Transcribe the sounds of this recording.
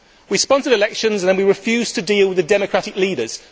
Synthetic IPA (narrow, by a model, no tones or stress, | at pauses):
wispɒ̃nsədɪlɛkʃə̃nzə̃nə̃nwiɹɪfjʉːz̥tʰədiːlˠwɪðədɛməkʰɹ̥atɪkliːdəz̥